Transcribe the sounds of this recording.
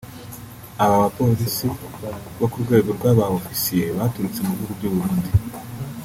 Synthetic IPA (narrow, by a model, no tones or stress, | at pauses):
aβaβapo̞ːɾisi | βo̞kuɾɡwe̞ːɡo̞ɾɡwaːβaofi̥sije̞βatuɾut͡se̞muhuɡubɟuβuɾuːndi